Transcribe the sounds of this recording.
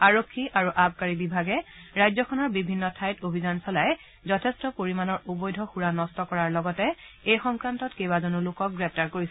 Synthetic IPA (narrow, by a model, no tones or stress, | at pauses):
aɹokʰːiʔaɹuʔab̚ʱkaɹibibʱaɡɛ | ɹajzɔkʰɔnɔɹbibʱinːɔtʰajtobʱizansɔlaj | zɔtʰɛstɔpoɹimanɔɹubɔjdʱɔxuɹanɔstɔkɔɹaɹlɔɡɔtɛ | ejxɔŋkɹantɔtkejbazonulʊkɔk̚ɡɹɛp̚ʰtaɹkoɹisɛ